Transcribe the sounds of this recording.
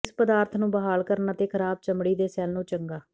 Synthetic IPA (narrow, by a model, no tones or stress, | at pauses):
spəd̪aːɾt̪ʰnũːbəɦaːlkəɾnaːt̪eːkʰəɾaːb̚t͡ʃəmɽiːd̪eːsɛːlnũːt͡ʃəŋɡaː